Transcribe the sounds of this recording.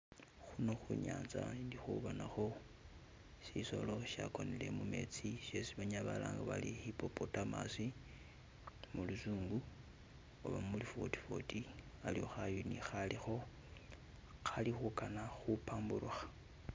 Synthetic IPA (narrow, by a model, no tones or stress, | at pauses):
xuno̞xuɲaːnzandixuβonaxo̞ | siso̞̰lo̞ʃja̰ko̞nile̞mume̞̰t͡siʃesiβaɲaβalaːŋɡaβalihipo̞potamasi | mulusuːŋɡu | o̰βamulifoti̥fo̞̰ti | alio̞xajunixalixo̞ | xalixukanaxupaːmbuɾuxḁ